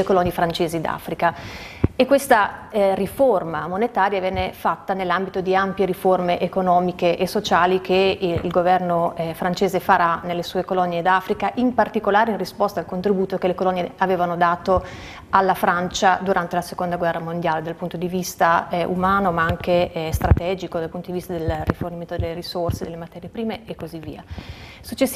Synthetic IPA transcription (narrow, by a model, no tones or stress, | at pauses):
ekolɔnːjefɾant͡ʃeːzid̪a̰fɾikaekːwest̪ariformamonet̪aːɾjavjɛːnefat̪ːanelːambit̪od̪iampjeɾiformeʔekonɔːmikeʔesot͡ʃaːlikʰeḭlɡovɛrnofɾant͡ʃeːzefaɾanelːesuːekolɔnːed̪afɾikaʔimpart̪ikolaːɾeinrispɔst̪aːlkont̪ɾibuːt̪okelekolɔnːjeaveːvanod̪aːt̪o | alːafɾant͡ʃad̪uɾʔant̪elasekond̪aɡwɛrːamond̪jaːled̪alpunt̪od̪ivist̪aṵmaːnomaaŋkest̪ɾʔat̪ɛːd͡ʒikod̪alpunt̪od̪ivist̪ad̪elrːiforniment̪od̪elːeɾisorsed̪elːemat̪ɛːɾjepɾiːmeekːozivːḭːasut͡ʃːes